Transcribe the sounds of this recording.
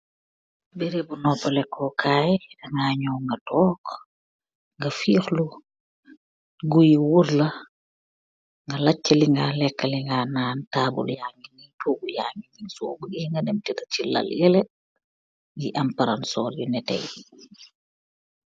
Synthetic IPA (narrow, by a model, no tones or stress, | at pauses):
beɾebunɔpːɐlɛkʰːɔkʰaːjɛdɐŋɡaːɲɔwŋɡɐtɔːk | ŋɡɐfiːxlu | ɡujiwuɾlɐ | ŋɡɐlɐt͡ʃːɐliŋɡalɛkːɐliŋɡanaːntaːbṵljaŋinitʰoːbujaŋiniŋsubuɡiːŋɡɐnemtɛtɐt͡ʃilɐ̰ljɛlɛ | jiʔɐmpɐɾansɔːljunɛtɛ̰j